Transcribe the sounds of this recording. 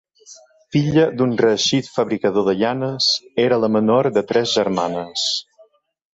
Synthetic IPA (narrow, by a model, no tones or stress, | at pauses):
fiʎəd̪unrəːʃit̪fəβɾikəðoðəʎanəseɾələmənoɾd̪ət̪ɾɛzʒəɾmanəs